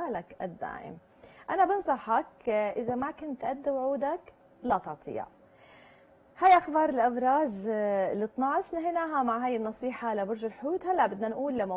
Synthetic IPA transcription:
aːlakʔad̪ːa̰ːʔɪ̰m | ʔanabɪnsˤɑħakʔɪzamakʊnt̪ʔad̪ːawʕuːd̪ak | lat̪ɑʕt̪ˤʰɨ̰ja̰ | hajʔaxbɑːɾˤɪlʔafɾˤɑːʒlɨt̪ˤnɑʕʃnɪɦinaːɦamaʕɦaːjɪnːɑsˤiːħaʔlabʊɾʒalħʊjuːt̪halːaʔbɪd̪nanʔuːlːamːa

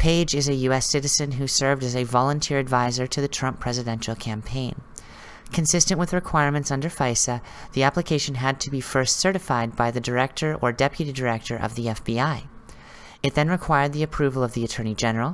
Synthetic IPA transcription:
pʰeɪd͡ʒɨzɨjʉɛsɪɾɨzɨ̃nɦʉsɜ˞vdɨzɨvɑlˠə̃ntʰɪɹɨdvaɪzə˞ɾɨðɨtʰɹ̥ʌ̃mpʰɹ̥ɛzɨdɛ̃nʃl̩ˠkʰæ̃mpʰẽɪ̃n | kʰɨ̃nsɪstɨ̃nʔwɨðɹɨkʰw̥aɪɹmɨ̃ntsʌ̃ndə˞faɪsɨðiæplɨkʰeɪʃɨ̃n̩ɨd̚tʰɨbifɜ˞stsɜ˞ɾɨfaɪd̚baɪðɨdə˞ɛk̚tʰə˞ʔə˞dɛpjɨɾidə˞ɛk̚tʰə˞ʔʌ̰vðiɛfb̥iaɪ | ɨt̪̚ðɨ̃nɹɨkʰw̥aɪə˞d̪̚ðiɨpʰɹ̥ʉvl̩ˠʌvðiɨtʰɜ̃˞nid͡ʒɛnə˞l̩ˠ

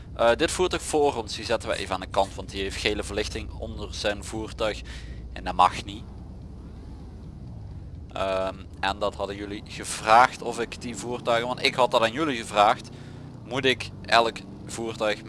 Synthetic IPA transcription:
ʔədɪtfuːrtœɥxfʊːrɔnsdizɛtənʋə̰ʔḛjvəaːndəkɑntʋɑntiejftxejləvərlɪxtɪŋɔ̰ndərz̥ɛjnvuːrtœɥxɛ̰ndamɑxni | ʔəm | ɛndɑtɦɑdənjɵliɣəvraːxtɔfɪkdivuːrtœɥɣənʋɑntɪkɦɑt̚dɑtaːnjɵliɣəvraːxt | mutɪk | ɛlək | v̥uːrtœɥx

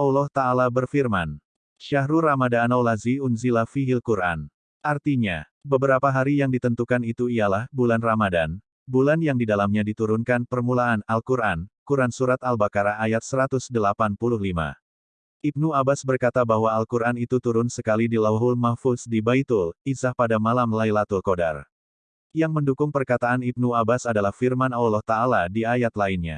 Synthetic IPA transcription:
ʔawlɔht̪aːlabərfirman | ʃaɦɾuramadanawlaziunzilafiɦilkuɾʔa̰n | ʔart̪iɲa | bəbəɾapaɦaɾijaŋdit̪ənt̪ukanit̪uialahbulanramadan | bulanjaŋdidalamɲadit̪uɾʊnkanpərmulaʔːnalkuɾʔankuɾansuɾat̪albakaɾaʔːjat̪̚səɾat̪ʊsdəlapanpulʊhlima̰ | ʔib̚nuabasbərkat̪abaɦwaːlkuɾanit̪ut̪uɾʊnsəkalidilaɦʊlmahfʊsdibait̪ʊlisahpadamalamlajlat̪ulkoda̰r | jaŋməndukʊŋpərkat̪aanib̚nuabasadalahfirmanawlɔht̪aːladiajat̪lainɲa̰

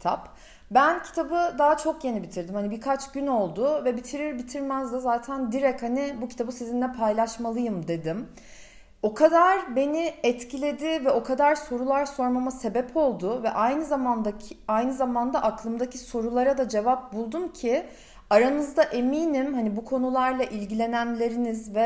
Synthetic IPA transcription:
t̪ʰap | bæncʰi̥t̪ʰabɯd̪aːat͡ʃʰo̞kje̞nibit̪ʰiɾd̪imhanibiɾkʰat͡ʃɟ̥yno̞lˠd̪ʊvɛbit̪ʰiɾiɾbit̪ʰiɾmɛzd̪azaːt̪ʰænd̪iɾɛchanibucʰi̥t̪ʰabɯsizind̪ɛpʰajlˠaʃmalˠɯjɯmd̪e̞d̪ɪm | o̞kʰad̪aɾbe̞nɪɛt̪cʰilʲe̞d̪ɪvɛo̞kʰad̪aɾso̞ɾulˠaɾso̞ɾmamase̞bɛpʰo̞lˠd̪ʊvɛʔajnɯzamand̪aajnɯzamand̪aʔaklˠɯmd̪acʰiso̞ɾulˠaɾad̪ad͡ʒe̞vap̚bulˠd̪umcʰɪ | aɾanɯzd̪aʔe̞miːnimɦanibukʰo̞nulˠaɾlˠaʔilʲɟilʲe̞nænlʲe̞ɾinizvɛ

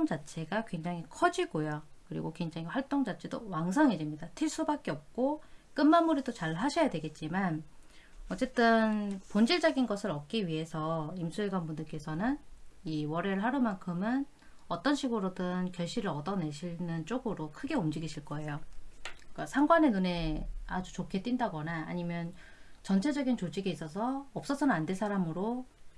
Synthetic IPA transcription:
oŋd͡ʑat͡ɕʰe̞ɡakwe̞ŋd͡ʑaŋikʰʌd͡ʑiɡojokɯɾḭɡokwe̞ŋd͡ʑaŋiɸwaɭt͈oŋd͡ʑat͡ɕʰedo̰waŋs̬ʰʌŋid͡ʑimɲidatʰis͈ubak͈e̞ʌp̚k͈ok͈ɯnmamuɾidot͡ɕaɭɦaɕʰʌjadwe̞ɡe̞t̚t͡ɕ͈iman | ʌt͡ɕ͈e̞t͈ɯnpond͡ʑiɭd͡ʑʌɡinɡʌsʰɯɾʌk̚k͈iɥiɦe̞sʰʌimsʰuiɡwanbundɯɭk͈e̞sʰʌnɯniwʌɾe̞ɾɯɭɦaɾɯmaŋkʰɯmɯn | ʌt͈ʌnɕʰiɡɯɾodɯnkjʌɭɕ͈iɾɯɾʌdʌne̞ɕʰinɯnt͡ɕ͈oɡɯɾokʰɯɡe̞umd͡ʑiɡiɕʰiɭk͈ʌe̞jo | k͈asʰaŋɡwane̞nune̞a̰d͡ʑut͡ɕokʰe̞t͈windaɡʌna̰ːɲimjʌnt͡ɕʌnt͡ɕʰe̞d͡ʑʌɡint͡ɕod͡ʑiɡiis͈ʌs̬ʰʌːp̚s͈ʌsʰʌnɯnandwensʰaɾamɯɾo

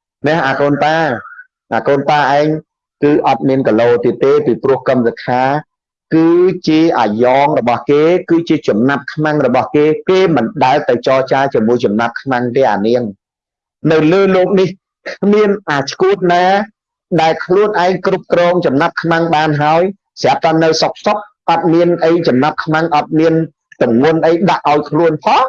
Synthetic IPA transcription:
nɛhʔaːkoːnpaː | ʔaːkoːnpaːʔaɛŋ | kɨːʔɑt̪̚miənkaloːt̪iət̪ːeːpiːprʊ̆əhkəmsakʰaː | kɨːt͡ɕiəʔaːjɑːŋrɔɓɑhkeːkɨːt͡ɕiət͡ɕɑmnap̚kʰmaŋrɔɓɑhkeːkeːmɨnɗaɛlt̪ɨwt͡ɕɑːt͡ɕaːt͡ɕiəmuəjt͡ɕɑmnap̚kʰmaŋt̪eːʔa̰ːniəŋ | nɨwləːloːk̚nih | kʰmiənʔaːt͡ɕʰkuət̪̚naː | ɗaɛlkʰluənʔaɛŋkrup̚krɔːŋt͡ɕɑmnap̚kʰmaŋɓaːnɦaəj | sap̚t̪aːnɨwsok̚sok̚ʔɑt̪̚miənʔəjt͡ɕɑmnap̚kʰmaŋʔɑt̪̚miən | t̪umŋŭənʔəjɗaʔːaɔjkʰluənpʰɑ

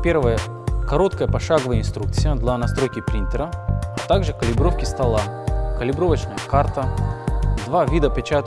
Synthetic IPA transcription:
pʲe̞rvəjə | kɐɾo̞t̪kəjəpɐʂaɡəvəjəɪnst̪ɾuk̚t̪sɨjəd̪lʲɐnɐst̪ɾo̞jkʲɪpɾʲinʲt̪ʲɪɾəɐt̪aɡʐɨkəlʲɪbɾo̞fkʲɪst̪ɐlˠakəlʲɪbɾovət͡ɕnəjəkart̪ə | d̪vavʲid̪əpʲɪt͡ɕat̪

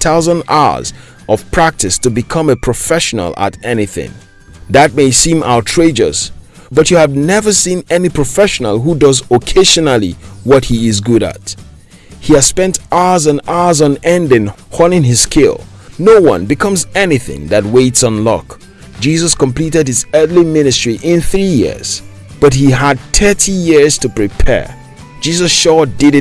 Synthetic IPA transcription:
θʰaʊzə̃na̰ʊə̰˞z | ʔʌv̥pʰɹ̥æk̚tʰɨstɨbɨkʰʌ̃mɨpʰɹ̥ɨfɛʃənə̰l̩ˠə̰ɾɛniθɪ̰̃ŋ | ðɨt̚meɪsĩma̰ʊtʰɹ̥eɪd͡ʒə̰s | b̥ʌt͡ʃɨːvnɛvə˞sĩnɛnipʰɹ̥əfɛʃənəlˠɦudʌzəkʰeɪʒɨnəlˠiwʌt̚hiɪzɡʊɾɨ̰t | hiɨz̥spɛ̃ntaəzə̃naə˞zn̩ɛ̃ndɪ̃ŋhɔnˠɪ̃ŋɪz̥skʰɪ̰lˠ | noʊwʌ̰̃nbɨkʰʌ̃mzɛniθɪ̰̃ŋðɨt̚weɪtsn̩lɔ̰k | d̥d͡ʒizʌskmpl̥iɾɨd̚hɨzɜ˞θlimɪnɨstɹ̥iʔɪ̃nθɹijɪ̰ɹz̥ | b̥ʌt̚hiəd̚tʰɜ˞tʰijɪɹz̥tʰɨpɹ̥ipʰɛ̰ɹ | d͡ʒizʌsʃɔdɪɾ

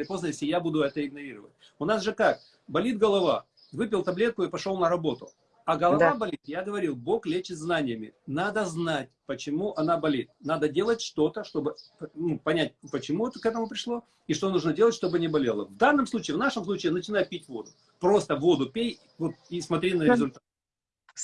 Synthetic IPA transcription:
lʲɪpo̞znəjesʲlʲɪjabud̪ʊɛt̪əɪɡnɐɾʲiɾəvə̰t̚ʲ | ʊnasʐɨkak̚ | bɐlʲit̪̚ɡəlˠɐva̰ | vɨpʲɪlˠt̪ɐblʲe̞t̪̚kʊɪpɐʂo̞lˠnəɾɐbo̞t̪ʊ | ɐɡəlˠɐabɐlʲit̪jaɡəvɐɾʲilˠbo̞klʲet͡ɕɪt̪znanʲɪjəmʲɪ̰nad̪əznat̚ʲpət͡ɕɪmuʔɐnabɐlʲit̪̚nad̪ədʲe̞lˠətʲʂt̪o̞t̪əʂt̪o̞bɨpnupɐnʲæt̚ʲpət͡ɕɪmuɛt̪əkɛt̪əmʊpɾʲɪʂlˠo̞ | iʂt̪o̞nuʐnədʲe̞lˠətʲʂt̪o̞bɨnʲɪbɐlʲe̞lˠəvd̪anːəmslˠut͡ɕɪːvn̪aʂəmsˠut͡ɕɪːnət͡ɕɪn̪ajʊpʲitʲvo̞d̪ʊ | pɾo̞st̪əvo̞d̪ʊpʲej | vot̪̚ismɐt̪ɾʲinəɾʲɪzʊlʲt̪at̪

